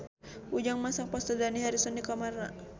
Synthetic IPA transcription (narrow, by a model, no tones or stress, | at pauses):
ud͡ʒaŋmasaŋpast̪ɔdaniɦaɾisɔnikamarna̰